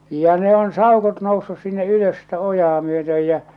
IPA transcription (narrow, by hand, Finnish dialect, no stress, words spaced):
jɑ ne on sɑˑokot nousːus sinːe yløs sitæ ojɑː myøtøj jæ